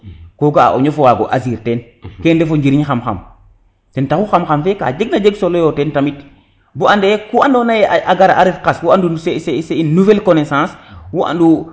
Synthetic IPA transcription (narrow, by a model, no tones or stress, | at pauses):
koɡaa̰ʔo̰ɲofowaɡo̰ʔaziɾten | kendefoɲd͡ʒiɾiɲxamxa̰m | tentaxuxamxamfeka̰d͡ʒeɡnad͡ʒeɡsolojotentamit | buandejekuandonajeaʔaɡaɾaʔaɾifkaswuanduseseseinnːuvɛlkonesãːswuʔa̰ndu